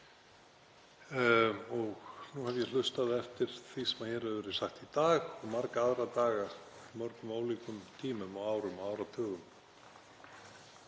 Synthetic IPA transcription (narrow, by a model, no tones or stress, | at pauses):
ɔɣnuhavjɛl̥ʏst̪aðɪɛft̪ɪɾ̥θisɛmaçɛːɾɛðvɛːɾɪsaxt̪it̪aːɣɔɣmaɾkaaðɾat̪aːɣa | mɔɾk̪ʏmoːwliːkʏmt̪ʰiːmʏmɔɣaːwɾʏmɔaːwɾat̪ʰœːɣʏm